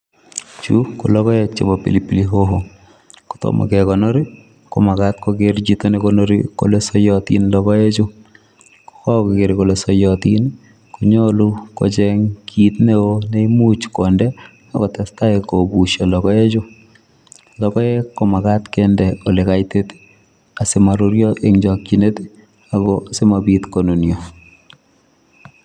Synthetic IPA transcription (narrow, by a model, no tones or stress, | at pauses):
t͡ʃukulɔkɔjet͡ʃḛbɔpḭlipiliɦoɦo | ku̥tɔ̰mʔa̰kɛkɔnɔɾi | ko̰makatkokeɾt͡ʃitonekonoɾḭko̰lesɔjɔtḭnlɔkɔet͡ʃʊ | ko̥kɔkkeɾikolesɔjɔtin | kuɲoluko̰t͡ʃɛŋkʰit̪neoneimut͡ʃkɔndɛ | a̰kɔtɛstaekobuʃɔlɔkɔet͡ʃʊ | lɔkɔekːɔmakatkɛndɛolekajtet | asɪmaɾuɾjɔʔeŋd͡ʒɔkt͡ʃinet | aɡɔsemabitkononjo